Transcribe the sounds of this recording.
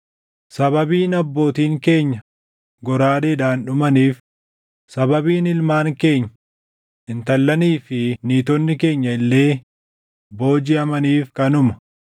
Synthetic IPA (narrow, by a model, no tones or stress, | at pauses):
sɐbɐbiːnɐbːo̞ːt̪iːŋke̞ːɲːɐ | ɡɔɾaːd̪eːd̪aːnɗʊmɐniːf | sɐbɐbiːnɪlmaːŋke̞ːɲːɐ̥ | ʔɪnt̪ɐlːɐniːfɪniːt̪ɔnːɪke̞ːɲːɐɪlːe̞ː | bo̞ːd͡ʒɪɐmɐniːfkɐnʊmɐ̥